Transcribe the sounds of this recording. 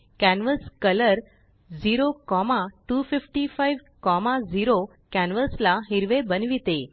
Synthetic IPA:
kɛnʋəskələɾ | ziɾokɔmaʈufɪfʈifaiʋ | kɔmaziɾo | kɛnʋəslaɦiɾʋebənʋit̪e

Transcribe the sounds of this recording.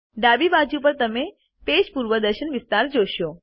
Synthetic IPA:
ɖabibad͡ʒupəɾt̪əme | ped͡ʒpuɾʋəd̪əɾʃənʋɪst̪aɾd͡ʒoʃo

